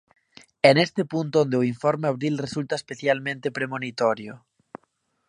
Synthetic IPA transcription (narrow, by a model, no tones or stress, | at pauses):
enest̪epunt̪oond̪eoiɱfoɾmeaβɾilresult̪aespeθjalmẽnt̪epɾemonit̪oɾjo